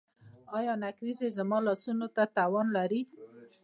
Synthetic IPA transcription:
ɑjɑnakɾizezəmɑlɑsunot̪at̪awɑnlaɾi

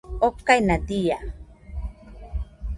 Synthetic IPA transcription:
okːajnat̪ija

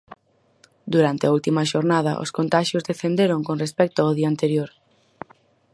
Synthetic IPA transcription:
d̪uɾant̪eɐult̪imɐʃoɾnað̞ɐ̰ʔo̰skont̪aʃjʊzðeθend̪eɾoŋkonrespɛk̚t̪oaoðiɐaːnt̪eɾjoɾ

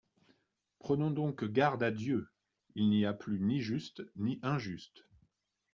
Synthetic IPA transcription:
pχənɔ̃d̪ɔ̃kɡaʁd̪ad̪jø | ilniaplyniʒyst̪niʔɛ̃ʒyst̪

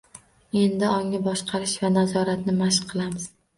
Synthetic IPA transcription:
e̞nd̪ɪɒŋːabɒʃqʰɑɾɪʃvanazɒɾat̪nɪmaʃqʰɨlˠamɪz̥

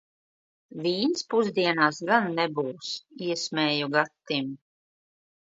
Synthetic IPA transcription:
viːnspuzd̪iɛnaːsɡanːɛbuːsiɛsmɛːjuɡat̪ːim

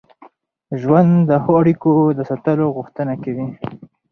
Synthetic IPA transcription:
ʒwand̪d̪əxoaɽikod̪əsat̪əloɣuxt̪ənakawi

